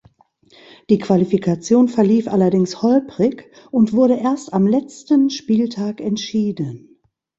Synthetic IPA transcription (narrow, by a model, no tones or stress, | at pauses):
d̥iːkv̥alifikʰat͡sjoːnfɛɐliːfʔalɐdɪŋshɔlpʁ̥ɪç | ʔʊntv̥ʊɐɾəʔeːɐstamlɛt͡stənʃpiːltʰaːkɛntʃiːdən